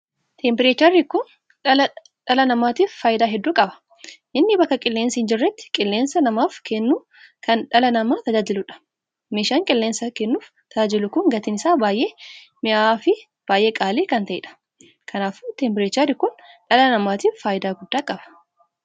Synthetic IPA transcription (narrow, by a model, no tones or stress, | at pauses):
t̪ʰempɪɾeːt͡ʃɐɾːikʊn | ɐlɐ | ᶑɐlɐnɐmaːt̪iːfːaːjɪd̪aːɦɛd̪ːuːkʼɐbɐ̥ | ʔɪnːɪbɐkːɐkʼɪlːeːnsɐɪnd͡ʒɪrːɛt̪ːɪ̥kʼɪlːeːnsɐnɐmaːfkɛnːuː | kɐnᶑɐlɐnɐmaːt̪ɐd͡ʒaːd͡ʒɪlʊᶑɐ̥ | meːʃaːŋkʼɪlːeːnsɐkɛnːuːf | t̪ʰɐd͡ʒaːd͡ʒɛlʊkʊŋɡɐt̪ɪnɪsaːbaːjʔeː | mɪʔaːfɪ | b̥aːjʔeːkʼaːleːkɐnt̪ɐʔɛ̰ᶑɐ̥ | kʰɐnaːfʊt̪empɪɾeːt͡ʃɐɾikʊnᶑɐlɐnɐmaːt̪iːfːaːjɪd̪aːɡʊd̪ːaːkʼɐb̥ɐ̥